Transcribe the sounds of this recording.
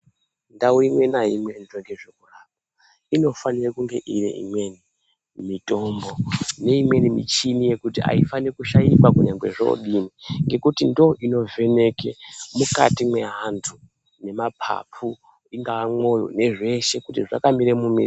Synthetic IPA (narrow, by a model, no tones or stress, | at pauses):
ndauimwe̞naimwe̞ndoŋɡeʐekuraːp̚a | ino̞fanirakuŋɡe̞̰ʔirḛʔḭmwe̞ni | mitʼo̞mbo̞ne̞imwe̞nimḭt͡ʃinije̞kutia̰ifanirkuʃajikakuɲaŋɡwe̞ʐo̰ɗiniŋɡe̞kutindo̞ʔino̞ve̞ne̞kemuka̰timwe̞ɦantʰu | ne̞mapʰa̰pʰu | iŋɡaamo̞jo̰ne̞ʐe̞ʃe̞kutiʐa̰kamiɾemumḭri